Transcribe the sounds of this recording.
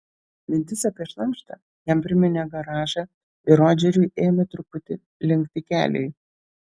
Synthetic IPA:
mʲɪnʲt̪ʲɪsɐpʲɾʲiɛʃlˠɐŋkʃt̪ɐ̰ | jɛmpʲɾʲɪmʲɛnʲɛɡɐɾɑːʒɐ | ɪɾoːd͡ʒʲɛɾʲʊɪeːmʲɛt̪ɾʊpʊt̪ʲɪ | lʲɪŋkt̪ʲɪkʲæ̰ːlʲɛ̰ɪ

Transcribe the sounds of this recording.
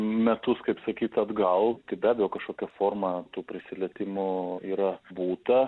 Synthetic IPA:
mʲɛt̪ʊskɐɪpsɐkʲiːt̪ɐd̪ɡɐlˠt̪ɪbʲæːbʲɛjoːkɐʃkoːkʲɛfoːrmɐt̪uːpʲɾʲɪsʲɪlʲɛt̪ʲɪmʊiːɾɐbuːt̪ɐ

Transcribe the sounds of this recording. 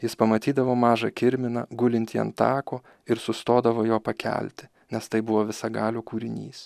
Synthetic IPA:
jɪspɐmɐt̪ʲiːd̪ɐʋoːmɑːʒɐkʲɪɾʲmʲɪnɐ̰ɡʊlʲɪnʲt̪ʲiːɐ̰nt̪ɑːkoː | ɪɾsʊst̪oːd̪ɐʋoːjoːpɐkʲʰɛ̰lʲt̪ʲɪ̥ | nʲɛst̪ɐɪbʊʋoːʋʲɪsɐɡɑːlʲoːkuːɾʲɪnʲḭːs

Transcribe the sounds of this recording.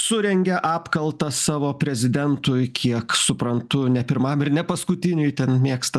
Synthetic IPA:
sʊɾʲɛŋʲɡʲɛʔɑːpkɐlˠt̪ɐsɑːʋoːpʲɾʲɛzʲɪd̪ʲɛnt̪ʊjkʰʲiɛksʊpɾɐnt̪ʊnʲɛpʲɪɾmɐmɪɾnʲɛpɐskʊt̪ʲɪnʲʊjt̪ʲɛnmʲiɛkst̪ɐ

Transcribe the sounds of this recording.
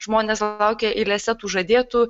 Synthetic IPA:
ʒmoːnʲeːslˠɐʊkʲeːʔɪlʲɛsʲɛt̪uːʒɐd̪ʲeːt̪uː

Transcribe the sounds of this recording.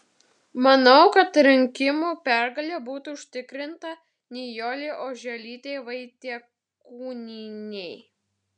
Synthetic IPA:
mɐnɐʊkɐt̪ɾʲɪŋʲkʲɪmuːpʲæɾɡɐlʲɛbuːt̪uːʊʃʲt̪ʲɪkɾʲɪnt̪ɐ | nʲɛjoːlʲeʔoːʒʲɛlʲiːt̪ʲɛɪʋɐɪt̪ʲiɛ | kkuːnʲɪnʲɛɪ

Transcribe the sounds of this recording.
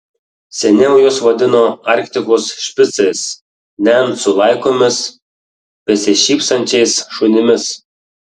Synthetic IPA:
sʲɛnʲɛʊjoːsʋɐd̪ʲɪnoːɑˑɾʲkt̪ʲɪkoːsʃʲpʲɪt̪sɐɪs | nʲɛnsʊlˠɐɪkoːmʲɪs | pʲɛsʲɪʃʲiːpsɐnʲt͡ʃʲɛɪsʃʊnʲɪmʲɪs

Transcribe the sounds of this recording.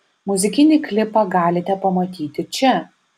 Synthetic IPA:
mʊzʲɪkʲɪnʲɪklʲɪpɑɡɑːlʲɪt̪ʲɛpɐmɐt̪ʲiːt̪ʲɪt͡ʃʲɛ

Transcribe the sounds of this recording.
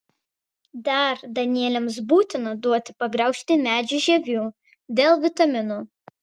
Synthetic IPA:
d̪ɐˑɾd̪ɐnʲɪiɛlʲɛms̬buːt̪ʲɪnɐd̪uɔt̪ʲɪ̥pɐɡɾɐʊʃʲt̪ʲɪmʲæːd͡ʒʲʊʒʲɛʋʲuː | d̪ʲeːlˠʋʲɪt̪ɐmʲɪnuː

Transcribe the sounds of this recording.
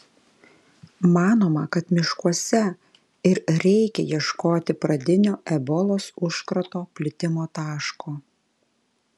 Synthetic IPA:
mɑːnoːmɐkɐt̪mʲɪʃkuɔsʲɛ | ɪɾɾʲɛɪkʲɛ̰jiɛʃkoːt̪ʲɪpɾɐd̪ʲɪnʲoːʔɛbɔlˠoːsʊʃkɾɐt̪oːpʲlʲɪt̪ʲɪmoːt̪ɑːʃkoː

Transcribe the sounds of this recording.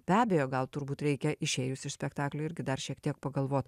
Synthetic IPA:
bʲæːbʲeːjoːɡɐlˠt̪ʊɾbuːt̪ɾʲɛɪkʲɛʔɪʃʲeːjʊsɪʃsʲpʲɛkt̪ɑːklʲoɪɾʲɡʲɪd̪ɐrʃʲiɛkt̪ʲiɛk̚pɐɡɐlˠʋoːt̪

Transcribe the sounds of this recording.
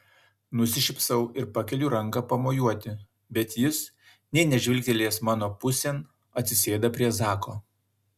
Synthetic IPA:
nʊsʲɪʃʲɪpsɐʊɪɾpɐkʲɛlʲʊɾɐŋkɐpɐmoːjuɔt̪ʲɪ | bʲɛt̪jɪs | nʲɛɪnʲɛʒʲʋʲɪlʲkʲɛlʲeːsmɑːnoːpʊsʲɛn | ɐt̪ʲsʲɪsʲeːd̪ɐpʲɾʲiɛzɑːkoː

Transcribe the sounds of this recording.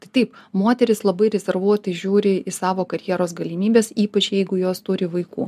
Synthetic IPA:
t̪ɐɪt̪ɐɪpmoːt̪ʲɛɾʲɪslˠɐbɐɪɾʲɛzʲɛɾʋuɔt̪ɐɪʒʲuːɾʲɪɪsɑːʋoːkɐɾʲjiɛɾoːsɡɐlʲɪmʲiːbʲeːsiːpɐt͡ʃjɛɪɡʊjoːst̪ʊɾʲɪʋɐɪkṵː

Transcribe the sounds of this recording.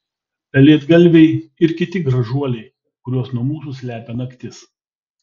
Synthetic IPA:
pʲɛlʲiɛd̪ɡɐlʲʋʲɛɪɪɾkʲɪt̪ʲɪɡɾɐʒuɔlʲɛɪ | kʊɾʲuɔsnuɔmuːs̬usʲlʲæːpʲɛnɐkʲt̪ʲɪs

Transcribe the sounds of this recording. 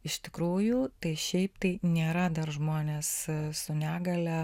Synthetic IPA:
ɪʃt̪ʲɪkɾuːjut̪ɐɪʃʲɛɪpt̪ɐɪnʲeːɾɐd̪ɐrʒmoːnʲeːssʊnʲæːɡɐlʲɛ

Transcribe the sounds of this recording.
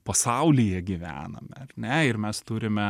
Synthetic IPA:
pɐsɐʊlʲɪjɛɡʲɪʋʲæ̰ːnɐ̰mʲɛɐɾnʲɛɪɾmʲɛst̪uɾʲɪmʲɛ

